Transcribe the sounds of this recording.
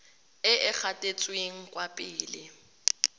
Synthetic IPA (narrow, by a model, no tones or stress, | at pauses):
ɪɪk͡xʰatʼet͡sʼweŋ̩kʼwapʼɪːlɪ